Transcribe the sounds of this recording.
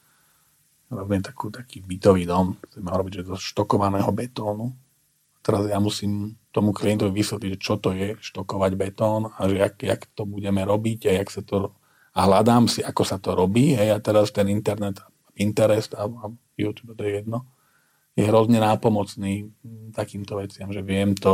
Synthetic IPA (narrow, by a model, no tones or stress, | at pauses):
ɾɔvɲɛɛt̪ḁkuːt̪ḁkiːbit̪ɔʋiːd̪ɔmt͡sɛmɛuɾɔbiɟʒɛzɔʃt̪ɔkɔʋanɛːɦɔbɛt̪ɔːnu | at̪ɛɾazjamusiːmt̪ɔmukliɛnt̪ɔʋiʋisʋɛt̪liɟʒɛt͡ʃɔt̪ɔjɛʃt̪ɔkɔʋaɟbɛt̪ɔːnaʒɛakːakt̪ɔbuɟɛmɛɾɔbiɟɦɛjaksat̪ɔ | aɦlad̪aːmsiʔakɔsat̪ɔɾɔbiːɦɛjat̪ɛɾast̪ɛnint̪ɛɾnɛt̪a | abint̪ɛɾɛst̪aab | jṵt̪juːbɛt̪ɔjɛjɛd̪nɔ | jɛɦɾɔzɲɛnaːpɔmɔt͡sniːt̪akiːmt̪ɔʋɛt͡sɪamʒɛʋɪɛmt̪ɔ